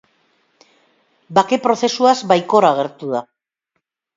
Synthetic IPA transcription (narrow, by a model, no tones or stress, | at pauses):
bake̞pɾo̞θe̞suazbajko̞ɾaɣ̞e̞ɾt̪uða